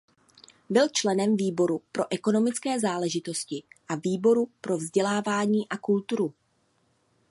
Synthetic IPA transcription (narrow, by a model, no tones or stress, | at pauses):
bɪlt͡ʃlɛnɛmviːbo̞ɾupɾo̞ʔɛko̞no̞mɪt͡skɛːzaːlɛʒɪt̪o̞scɪʔaviːbo̞ɾupɾo̞vzɟɛlaːvaːɲiːʔakult̪uɾu